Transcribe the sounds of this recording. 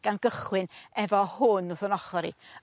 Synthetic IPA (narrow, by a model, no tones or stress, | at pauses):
ɡ̥anɡ̥əχwɪnɛvɔhʊnʊθɔnɔχɔɾḭ